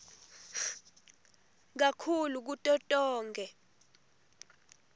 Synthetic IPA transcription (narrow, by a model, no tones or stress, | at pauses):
k̬akʰuluk̬utʼɔtʼɔːŋɡʱɛ